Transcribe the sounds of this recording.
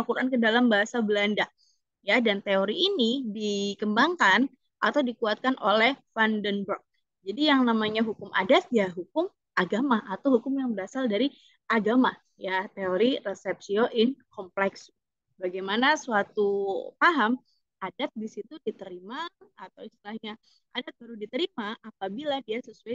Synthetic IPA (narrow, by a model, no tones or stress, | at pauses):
akuɾankədalambaɦasabəlanda | jadant̪eoɾiːnidikəmbaŋkan | ʔat̪awdikuat̪̚kanʔo̰lɛhfandənbɾɔk̚ | d͡ʒadijaŋnamaɲaɦukʊmʔa̰dat̪̚jaɦukʊm | ʔaɡamaʔat̪awhukʊmjaŋbəɾasaldaɾi | aɡama | jat̪eoɾirəsɛp̚sioʔɪnkʰɔmplɛks | baɡajmanasuat̪upaɦam | adat̪̚disit̪udit̪əɾimaːt̪awist̪ilahɲa | ʔadat̪̚baɾudit̪əɾimaʔapabiladiasəsuaj